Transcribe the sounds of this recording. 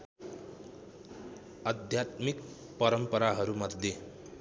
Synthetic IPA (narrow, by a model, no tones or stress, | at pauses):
ʌd̪ʱjat̪mik̚ | pʌɾʌmpʌɾaɦʌɾumʌd̪ʱje